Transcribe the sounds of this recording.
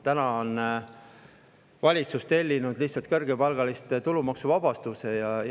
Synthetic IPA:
t̪ænɑon | vɑlʲit̪sust̪e̞lʲːinud̪̥liht̪sːɑlt̪̚kɤrɡepɑlɡ̥ɑlist̪t̪ulumɑksuvɑb̥ɑst̪use̞jɑ

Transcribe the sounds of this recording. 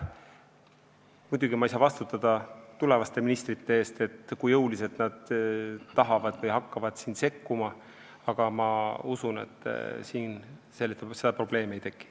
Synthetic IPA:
mud̪uɡ̥imɑisɑvɑst̪ut̪ːˑɑd̪̥ɑt̪ule̞vɑst̪eminist̪rit̪ːe̞eːst̪e̞t̪ːkujɤwlise̞t̪nɑd̪̥ː | ɑɦɑvɑd̪̥vɤjɦɑkːɑvɑd̪̥siːnse̞kːumɑ | ɑɡ̥ɑmɑusune̞̰t̪ːˑsiːnselːit̪ːese̞d̪ɑpro̞b̥le̞ːmejt̪e̞kːˑi̥

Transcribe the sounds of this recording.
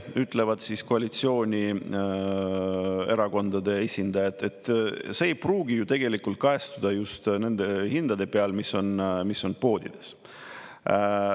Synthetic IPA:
yt̪ːˑle̞vɑd̪̥sisko̞ɑlit̪sio̞ːnʲi | e̞ɾɑko̞nd̪ɑd̪e̞e̞sʲind̪̥ɑjɑt̪ːˑe̞t̪se̞ːjpruːɡijut̪e̞ɡ̥e̞likult̪̚kɑe̞st̪ud̪̥ɑjust̪ne̞nd̪̥e̞hind̪̥ɑd̪e̞peɑlmiso̞nmisːo̞npo̞ːd̪̥id̪̥e̞s

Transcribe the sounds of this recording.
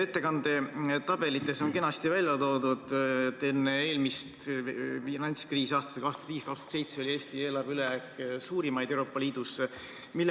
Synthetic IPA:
e̞t̪ːe̞kɑnd̪e̞t̪ɑb̥e̞lit̪ːˑe̞so̞nke̞nɑst̪ivælʲjɑt̪o̞ːd̪ud̪̥t̪enːee̞ːlmist̪finɑnʲt̪skriːsɑːst̪ɑ̥t̪ːkɑːkst̪ɑ̥t̪viːskɑkst̪o̥t̪se̞jt̪seo̞lʲieːst̪ie̞ːlɑrveyleæksuːɾimɑjd̪̥ewɾo̞ːpːˑɑliːd̪̥us | milː

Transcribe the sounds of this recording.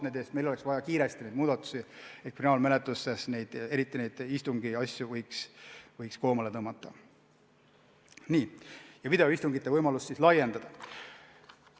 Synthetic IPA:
ned̪e̞ːst̪me̞jlo̞leksvɑjɑkiːɾe̞st̪inejd̪muːd̪̥ɑt̪ːˑu̥siet̪kfinɑːlme̞let̪ːˑusːe̞sne̞jd̪̥e̞ɾit̪ˑːine̞jd̪̥ist̪uŋɡ̥iɑsʲjuvɤjksvɤjksko̞ːmɑlet̪ɤːmɑt̪ːˑɑ | niːjɑvid̪e̞oist̪uŋɡ̥it̪ːe̞vɤjmɑlust̪ːislɑje̞nd̪̥ɑd̪̥ɑ

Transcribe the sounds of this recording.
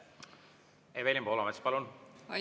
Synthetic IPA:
evelʲimbolɑmet̪spɑlun

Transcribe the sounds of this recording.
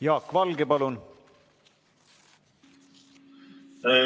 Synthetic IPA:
jɑːkːvɑlɡepɑlun

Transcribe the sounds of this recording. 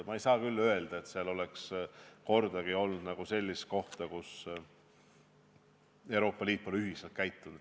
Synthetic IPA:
mɑejsɑːkylːø̞e̞ld̪̥ɑe̞t̪seɑlo̞leksko̞rd̪̥ɑɡ̥io̞lnud̪̥nɑɡ̥use̞lʲːist̪̚ko̞ht̪ɑkus | e̞wɾo̞ːpːˑɑlʲiːt̪ˑːolyɦiselt̪̚kæjt̪ːˑunud̪

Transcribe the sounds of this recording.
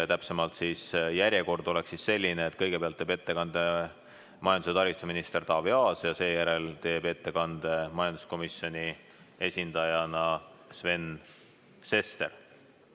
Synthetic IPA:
t̪æpse̞mɑlt̪siːsjæɾʲje̞ko̞rd̪̥o̞lɛksisse̞lʲːineːt̪ːˑkɤ̞jɡ̥e̞peɑlt̪ːeːbe̞t̪ːe̞kɑnd̪̥e̞ | mɑjɑnd̪use̞t̪ɑɾist̪usminist̪e̞rt̪ɑvjɑːsjɑse̞ːjæɾe̞lt̪e̞ːbe̞t̪ːe̞kɑnd̪̥e̞mɑjɑnd̪usko̞misjo̞nʲi | e̞sʲind̪̥ɑjɑnɑ | sve̞n | se̞st̪e̞̰r

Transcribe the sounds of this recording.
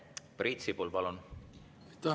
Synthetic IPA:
prit̪sipulpɑlun | t̪ɑ

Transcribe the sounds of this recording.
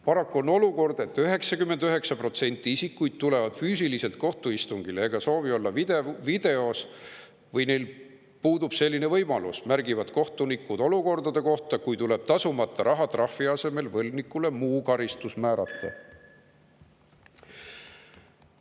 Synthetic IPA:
pɑɾɑkːuo̞no̞luko̞rd̪̥e̞t̪ːøɦe̞ksɑkymːe̞nd̪̥øɦe̞ksɑpro̞t̪se̞nʲt̪ːˑiisikːujd̪̥̚t̪ule̞vɑd̪̥fyːs̬ilise̞lt̪̚ko̞ht̪uist̪uŋɡ̥ileeɡ̥ɑso̞ːvio̞lːɑvi̥evid̪̥e̞o̞s | vɤjne̞jl | puːd̪ub̥se̞lʲːine̞vɤjmɑlusmærɡivɑd̪̥ko̞ht̪unikːˑud̪̥o̞luko̞rd̪ɑd̪̥e̞ko̞ht̪ɑkujt̪ule̞b̥t̪ɑsumɑt̪ˑːɑɾʔɑɦɑt̪rɑhfiɑse̞me̞lvɤlnikːˑule̞muːkɑɾist̪usmæːɾɑt̪ːˑɑ̰

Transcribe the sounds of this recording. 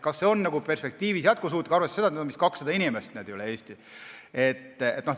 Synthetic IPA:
kɑsːe̞o̞nːɑɡupe̞rspe̞k̚t̪iːvisjɑt̪̚kusuːt̪likɑrvesese̞d̪ɑet̪nedomiskɑksɑd̪ɑinimest̪ned̪ejoleeːsʲt̪i | et̪ːḛt̪ːno

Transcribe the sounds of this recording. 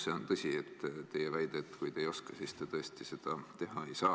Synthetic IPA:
se̞ont̪ɤsʲiet̪ːt̪e̞jevæjd̪̥et̪ːkujt̪e̞jo̞skɑsist̪et̪ɤesʲt̪ise̞d̪̥ɑt̪e̞ɦɑe̞jsɑː

